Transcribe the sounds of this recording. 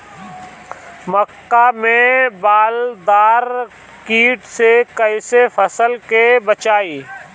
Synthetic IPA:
məkːamẽbaːld̪aːɾ | kiːʈsekəɪsefʰəsəlkebət͡ʃaːiː

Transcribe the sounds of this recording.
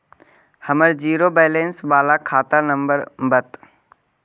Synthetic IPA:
hɐməɾd͡ʒiːɾoːbɛːlẽːnsbaːlakʰaːt̪anə̃mbəɾbət̪

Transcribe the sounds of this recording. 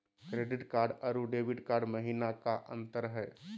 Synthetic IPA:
kɾeːɖɪʈkaːɾɖəɾuɖeːʋɪʈkaːɾɖmɐɦiːnakaʔə̰̃nt̪əɾɦɛː

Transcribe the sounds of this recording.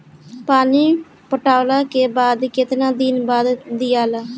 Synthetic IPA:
paːniː | pəʈaːlaːkeːbaːd̪kɪt̪nãːd̪ɪnbaːd̪ːɪjaːlaː

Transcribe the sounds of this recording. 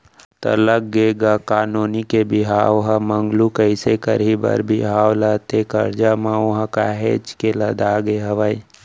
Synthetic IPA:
t̪ɐ̰ləɡɡeːɡakaːnoːnikebɪɦaːʋɦamə̃ŋɡlukəɪsekəɾibə̰ɾbʱiɦaːwlət̪ekəɾd͡ʒamãʊɦãkaɦeːt͡ʃkeləd̪aːɡeɦɐʋai

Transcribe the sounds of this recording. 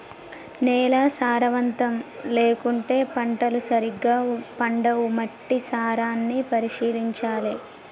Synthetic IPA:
nɛːlaːsaːɾɐʋɐnt̪ɐmle̞ːkuɳʈe̞ːpɐɳʈɐlusɐɾiɡːaːpɐɳɖɐwumɐʈːisaːɾaːnːipɐɾiʂiːliɲt͡ʃaːli

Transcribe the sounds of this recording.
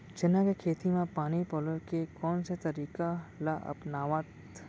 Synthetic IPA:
t͡ʃɪnãkekʰeːt̪imẽpaːnipɔlokekɔːnset̪ɐɾiːkalaʔɐ̰pnaːʋat̪

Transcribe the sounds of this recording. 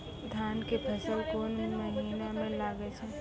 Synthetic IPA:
d̪ʱaːnkepʰɐsəlkoːnməɦiinamẽlaːɡet͡ʃʰɛ

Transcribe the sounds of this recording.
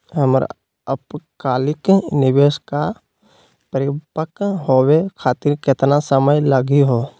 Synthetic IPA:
ɦəmɾ̰ | əpkaːlɪknɪʋeːska | pəɾɪpəkɦowekʰaːt̪ɪɾkɪt̪nasəməjləɡiɦoː

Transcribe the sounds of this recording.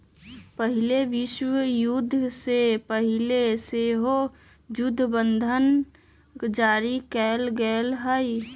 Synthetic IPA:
pəɦɪleʋɪʃwəjʊd̪ʱːsepəɦɪleseɦo | d͡ʒʊd̪ʱːbə̃nd̪ʱən | d͡ʒaːɾikɛlɡəlɦəi

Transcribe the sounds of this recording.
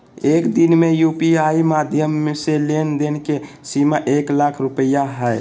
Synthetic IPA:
eːkd̪inmejuːpiaːimad̪ʱjəmːẽselend̪enke | simaʔeklakʰɾʊpəjaɦɛɛ

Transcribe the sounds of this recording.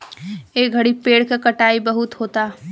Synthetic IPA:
eːɡʱɐɽipeːɽkakɐʈaːibɐɦʊt̪hoːt̪aː

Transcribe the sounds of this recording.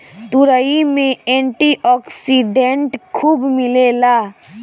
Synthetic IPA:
t̪uɾəimẽeɳʈiʔɔːksiɖeɳʈkʰuːbmɪlela

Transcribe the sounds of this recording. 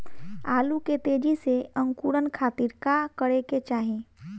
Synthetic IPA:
aːluket̪eːd͡ʒiseə̃ŋkuːɾənkʰaːt̪iɾkakəɽeket͡ʃaːɦẽː

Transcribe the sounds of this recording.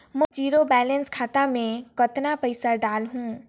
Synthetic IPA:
mə̃d͡ʒiɾobɛlənskʰaːt̪amẽkət̪napəɪsəɾɖaːlɦũ

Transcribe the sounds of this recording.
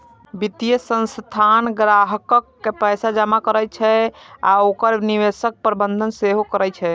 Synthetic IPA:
bit̪ijəsə̃nst̪ʰanɡɾaɦəkəkːepəjsad͡ʒamakəɾət͡ʃʰɛa̰okəɾniʋesək̚pəɾbənd̪ʱənseɦokəɾəjt͡ʃʰɛ

